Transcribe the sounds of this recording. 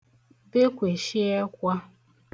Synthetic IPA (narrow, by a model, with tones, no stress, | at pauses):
be˦kʷe˨ʃi˦e˦kʷa˦